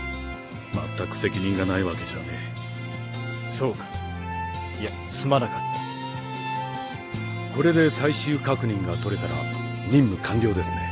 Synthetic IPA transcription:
ma̰t̪ːakɯ̥se̞kʲiɲ̟ĩŋɡanaiβake̞d͡ʑa̰̟ne̞ | so̞ːkḁ | ija | sɨmanakat̪ːḁ | ko̞ɾe̞d̪e̞saiɕɨːkakɯ̟ɲ̟ĩŋɡat̪o̞ɾe̞t̪aɾa̰ | ɲʲĩmːɯ̟kʰãmɡʲjo̞ːd̪e̞sɨne̞

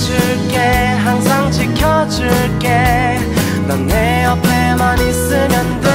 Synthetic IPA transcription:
d͡ʑɯɭk͈e | ɦaŋsʰaŋt͡ɕʰikʰjʌd͡ʑɯɭk͈e | nʌnːe | ʌpʰemanis͈ɯmjʌndɯ

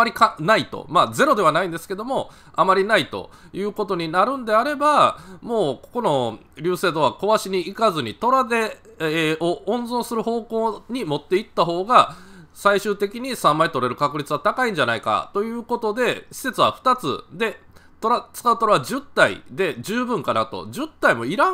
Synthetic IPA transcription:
amaɾʲikanait̪o̰maze̞ɾo̞d̪e̞β̞anaĩnd̪esɨ̥ke̞d̪o̞mo̞ | amaɾʲinait̪o̞̰ | jɯ̟ːko̞t̪o̞ɲ̟inaɾɯ̟̃nd̪e̞aɾe̞bamo̞ːkoko̞no̞ | ɾʲɨːse̞ːd̪o̞βako̞βaɕiɲ̟iːkazɨɲ̟it̪o̞ɾad̪e̞ | oõ̞nzõ̞ɰsɨɾɯ̟ho̞ːko̞ːɲ̟imo̞t̪ːeit̪ːaɦo̞ːɡasaiɕɨːt̪e̞kʲiɲ̟isãmːait̪o̞ɾe̞ɾɯ̟kakɯ̟ɾʲit͡sɨβat̪akaĩɲ̟d͡ʑanaika̰t̪o̞jɯ̟ːko̞t̪o̞d̪e̞ɕi̥se̞t͡sɨβa̰ɸɯ̟̥t̪at͡sɨ̰d̪e̞ | t̪o̞ɾat͡sɨ̥kaɯ̟t̪o̞ɾaβad͡ʑɨt̪ːaḭd̪e̞d͡ʑɨːbɯ̟̃ŋkanat̪o̞̰d͡ʑɨt̪ːaimo̞iɾa

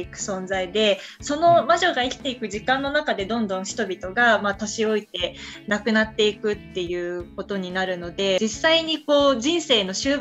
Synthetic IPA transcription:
ikɯ̟̥sõ̞nzaid̪e̞so̞no̞maʑo̞ɡaikʲi̥t̪e̞ikɯ̟ʑikãnːo̞nakad̪e̞d̪õ̞nd̪õ̞ɰ̃çi̥t̪o̞bʲit̪o̞ɡamat̪oɕio̞it̪e̞nakɯ̟nat̪ːe̞ikɯ̟t̪ːe̞jɯ̟ːko̞t̪o̞ɲ̟inaɾɯ̟no̞d̪e̞isːaiɲ̟iko̞ːʑĩɰ̃se̞ːno̞ɕɨːb

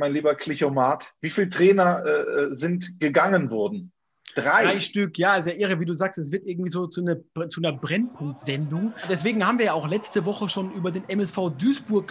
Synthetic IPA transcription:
maɪnliːbɐkʰl̥ɪçomaːtv̥iːfiːltʁ̥ɛːnɐʔɛːɛːzɪntɡ̥əɡaŋənvɔɐdn̩ | d̥ʁaɪaɪʃtʏkʰjaːazojaːʔɪʁəviːduːzaːkstɛs̬v̥ɪɐtʔɪɐɡŋ̩tv̥iːzoːt͡sunɐ̥t͡sunɐbʁɛnpʰʊŋk̚tz̥ɛndʊŋd̥ɛsv̥eːɡŋ̩haːbmviːɐjaːʔaʊxlɛt͡stəvɔχəʃoːnʔyːbɐdeːnʔɛmɛsfaʊdyːsb̥ʊɐk

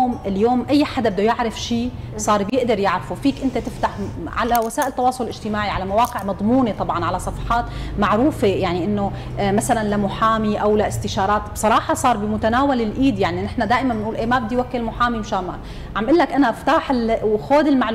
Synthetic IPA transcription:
oːmɪljoːmʔajːħad̪abɪd̪ojɪʕɾɪfʃiːsˤɑːɾˤbjɪʔd̪ɪɾjɪʕɾɪfufiːkʔɪnt̪at̪ɪft̪aħʕa̰lawasaːʔɪlt̪ːɑwɑːsˤʊllʔɪʒ̥t̪ɪmaːʕiʕalamawɑːqɪʕmɑd̪ˤmuːnet̪ˤɑbʕɑnʕalasˤɑfɑ̥ħɑːt̪maʕɾuːfejaʕniʔɪnːo | masalanlamʊħaːmiʔawlaʔɪst̪ɪʃɑːɾˤɑːt̪bsˤɑɾˤɑːħɑsˤɑːɾˤbimʊt̪anaːwalɪlʔiːd̪jaʕninɪħnad̪aːʔɪmanːnʔuːlʔeːmabɪd̪ːiwakːɪlmʊħaːmimɪʃaːma̰ | ʕamʔɪlːakʔanaʔɪft̪aːħɪlxoːd̪ɪlmaʕl

